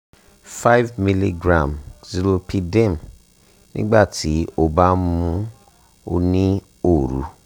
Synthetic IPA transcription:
fa˦vmi˦li˦ɡɾã˨mzi˨ɾo˧pʰi˧de˦˨m | nḭ̃˦ɡ͡ba˦˨tʰi˨˦o˧ba˦mũ˦ | o˧nĩ˦ | o˨ɾṵ˨˦

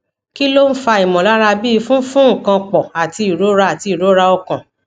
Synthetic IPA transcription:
ki˦lo˦n̩˦fa˧i˨mɔ̃˨la˦ɾa˧bi˦˧fũ˦fũ˦˨kã˧k͡pɔ˨a˨ti˧i˨ɾo˨˦ɾa˧˦a˨ti˧i˨ɾo˦ɾa˧ɔ˧kã˨

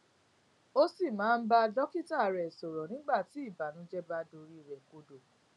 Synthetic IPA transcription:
o˦si˦˨mãː˨˦˧n̩˦ba˦˧dɔ˦ki˦ta˦˨ɾɛ˨sɔ˨ɾɔ˨nĩ˨˦ɡ͡ba˦˨ti˨˦i˦˨ba˨nũ˨˦d͡ʒɛ˦ba˧do˧ɾi˦˨ɾɛ˨ko˨˧do˨

